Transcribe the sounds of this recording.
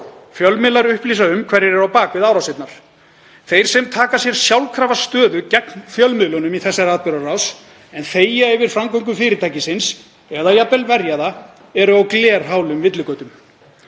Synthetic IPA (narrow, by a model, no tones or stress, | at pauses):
fjœlmɪlaɾʏhpliːsaʏmkʰvɛɾːɪɾɛɾawpaːkvɪðaːwɾawsɪt̪naɾ̥ | θejɾ̥sɛmt̪ʰaːkasjɛɾ̥sjawlkʰɾaːvast̪œːðʏcɛknfjœlmʏlɔnʏmiθɛsːaɾaːðpɪɾaraws | ɛnθeːjaɛvɪɾ̥fɾamkœŋk̬ʏfɪːɾɪt̪aːjcɪsɪns | ɛðajapɛlvɛɾjaða | ɛɾʏawklɛːɾ̥ɦaːwlʏmvɪt̪lʏkœːt̪ʏm